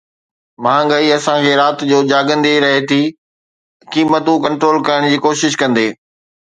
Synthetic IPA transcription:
mãːɡɐiɐsãkʰeːɾaːt̪d͡ʑoːd͡ʑaːɡə̃nd̪iɾɐɦet̪ʰiː | kiːmət̪ũkɐ̃ɳʈɾoːlkɐɾəɽ̃d͡ʑiːkoːʃɪʃkɐ̃nd̪eː

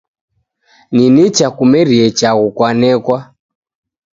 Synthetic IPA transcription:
ninit͡ʃakumɛɾiɛt͡ʃaɣukwanɛkwa

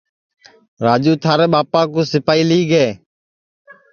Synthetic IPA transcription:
ɾaːd͡ʒuːt̪ʰaːɾeːɓaːpãːkuːsɪpaːiːliːɡeː

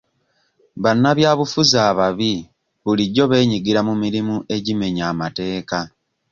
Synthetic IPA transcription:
βanːaβjaːβufuzaːβaβi | βuliɟo̞βe̞ːɲiɡiɾamumiɾimuʔe̞ɟime̞ɲaːmate̞ːka

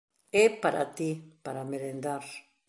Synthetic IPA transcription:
epaɾʔa̰t̪ipaɾameɾend̪aɾ

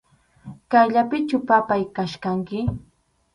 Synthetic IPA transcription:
kajʎapɪt͡ʃʊpapajkaʃkaŋkɪ

